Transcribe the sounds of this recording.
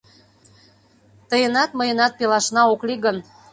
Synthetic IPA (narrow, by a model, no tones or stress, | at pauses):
t̪əjənɑt̪məjə̆nɑt̪̚pelɑʃnɑokliɣən